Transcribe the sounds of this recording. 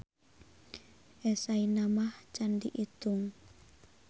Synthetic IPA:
ʔɛsainamaht͡ʃandiʔit̪uŋ

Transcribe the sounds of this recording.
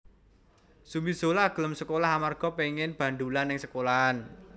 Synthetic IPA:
sumbiz̥olaɡ̥ə̤ləmsəkolaɦamarɡ̥ɔ̤peŋɪnb̥a̤ɳɖ̪ulanːɪŋsəkolaan

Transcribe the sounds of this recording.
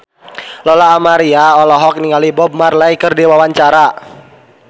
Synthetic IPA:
lɔlaːmaɾiaɔlɔɦɔk̚niŋalibɔb̚marlajkərdiwawaɲt͡ʃaɾa

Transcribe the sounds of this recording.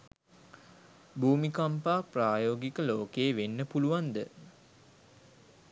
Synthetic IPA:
bʱuːmikampaːpraːjoːɡikəloːkeːʋenːəpuluʋand̪ə

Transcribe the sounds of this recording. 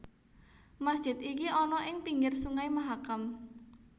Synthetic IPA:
masd̥ʒ̥ɪt̪ikiɔnɔʔɪŋpiŋɡɪrsuŋaimaɦakam

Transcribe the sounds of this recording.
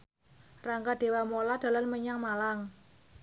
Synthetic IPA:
raŋkaɖ̪̥e̤wamolad̪̥a̤lanməɲaŋmalaŋ

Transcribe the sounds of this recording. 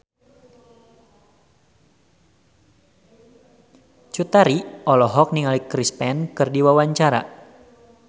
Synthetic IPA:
t͡ʃut̪aɾiɔlɔɦɔk̚niŋalikɾispɛnkɨrdiwawaɲt͡ʃaɾa̰

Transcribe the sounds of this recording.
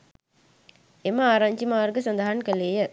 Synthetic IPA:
emɐaːɾaːɲt͡ʃimaːɾɡəsɐnd̪aɦɐnkɐleːjɐ

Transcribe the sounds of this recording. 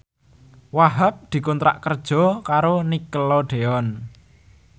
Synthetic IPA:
waɦap̚d̪̥i̤kɔnt̪ɾa̰ʔkərd̥ʒ̥ɔ̤kaɾonikəlɔɖ̪̥eɔn

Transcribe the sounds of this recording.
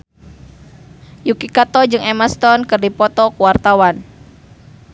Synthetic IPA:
jukikat̪ɔd͡ʒɨŋɛmast̪ɔnkɨrdipɔt̪ɔkuwart̪awan

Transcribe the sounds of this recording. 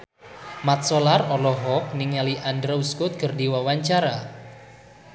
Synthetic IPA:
mat̪̚sɔlarɔlɔɦɔk̚niŋaliʔandɾauskʊt̪̚kərdiwawaɲt͡ʃaɾa

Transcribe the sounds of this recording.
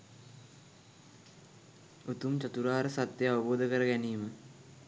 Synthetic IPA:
ut̪umt͡ɕɐt̪uɾaːɾəsat̪jeaʋəboːd̪əkəɾəɡæniːmə

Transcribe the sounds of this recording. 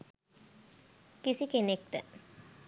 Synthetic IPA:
kisikenek̚t̪ə

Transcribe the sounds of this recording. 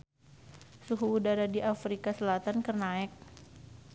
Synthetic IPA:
suɦuːdaɾadiʔafɾikasəlat̪ankərnaɛk̚

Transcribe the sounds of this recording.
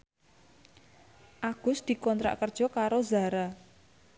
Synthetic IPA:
ʔaɡ̥ʊ̤sd̪̥i̤kɔnt̪ɾa̰ʔkərd̥ʒ̥ɔ̤kaɾozaɾa

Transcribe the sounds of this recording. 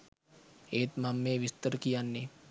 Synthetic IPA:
eːt̪mamːeːʋɪst̪əɾkijanːi

